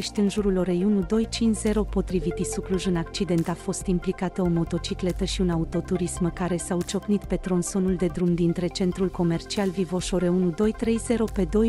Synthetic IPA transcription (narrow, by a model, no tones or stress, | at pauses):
ʃt̪ʲɨnʒuɾulo̞ɾejunud̪o̞jt͡ʃint͡ʃze̞ɾo̞po̞t̪ɾivit̪isukluʒɨnak̚t͡ʃid̪e̞nt̪afo̞st̪implikat̪əo̞mo̞t̪o̞t͡ʃikle̞t̪əʃiunaut̪o̞t̪uɾisməkaɾe̞saut͡ʃo̞knit̪pe̞t̪ɾo̞nso̞nuld̪e̞d̪ɾumd̪int̪ɾe̞t͡ʃe̞nt̪ɾulko̞me̞rt͡ʃialvivo̞ʃo̞ɾe̞unud̪o̞jt̪ɾe̞jze̞ɾo̞pe̞d̪o̞j